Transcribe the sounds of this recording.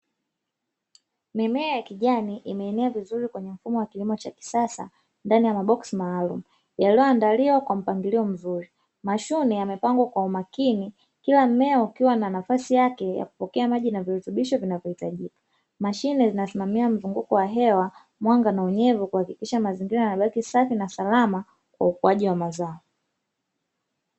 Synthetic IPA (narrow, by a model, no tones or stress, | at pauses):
mɛmɛajakiʄaniʔimɛːnɛavizuɾikwɛɲɛm̩fumɔwakilimɔt͡ʃaki̥sasa̰ | ndanijamaɓɔksimaːlṵmu | jalijɔandaliwakwam̩paŋɡiliɔm̩zuɾi | maʃunɛjamɛpaŋɡwakwaumakini | kilam̩mɛɔukiwananafasijakɛja̰ku̥pɔkɛamaʄinaviɾutuɓiʃɔvinavjɔhitaʄikḁ | maʃinɛzinasimamiam̩zuŋɡukɔwaɦɛwa | mwaŋɡanauɲɛvukuhakikiʃamaziŋɡiɾajanaɓakisafinasalama | kwa̰ukuaʄiwamazaɔ